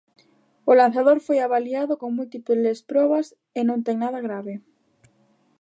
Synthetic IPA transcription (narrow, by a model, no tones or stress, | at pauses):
olan̟θaðoɾfojaβaliaðokoŋmult̪iplespɾoβ̞as | enõnt̪eŋnaðaɣ̞ɾaβe